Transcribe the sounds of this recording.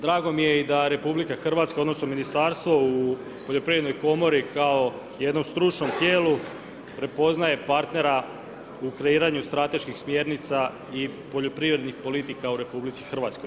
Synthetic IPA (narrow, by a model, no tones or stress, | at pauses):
d̪ɾaːɡo̞mije̞id̪aɾe̞publikaxr̩ʋat̪skaod̪no̞sno̞minist̪aːɾst̪ʋo̞u | poʎo̞pɾiːvɾed̪nojko̞mo̞ɾikʰao̞ | je̞d̪no̞mst̪ɾut͡ʃno̞mt̪je̞ːlu | pɾe̞po̞znaje̞paɾt̪ne̞ɾa | ukɾe̞iːɾaɲust̪ɾat̪e̞ʃkixsmje̞ɾnit̪sa | ipo̞ʎo̞pɾiːʋɾe̞d̪nixpo̞lit̪ikauɾe̞publit̪sixr̩ʋaːt̪skoj